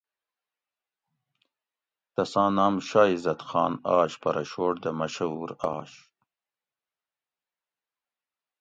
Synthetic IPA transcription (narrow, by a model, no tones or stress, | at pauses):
t̪ɐsɑ̃ːnaːmʃaːizɐt̪xɑːnɑːɕpɐɾɐʃoːʈ̚d̪ɐmɐʃɐuːɾɑːɕ